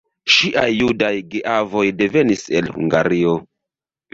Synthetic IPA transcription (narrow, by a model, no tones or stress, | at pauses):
ʃiʔajːudajɡeʔavo̞jde̞ve̞nise̞lhṵŋɡa̰ɾio̞